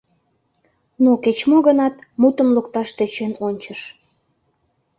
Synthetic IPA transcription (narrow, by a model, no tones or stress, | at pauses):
noket͡ɕmoɣənɑt̪mut̪əmluk̚t̪ɑʃt̪øt͡ɕenonʲt͡ɕəʃ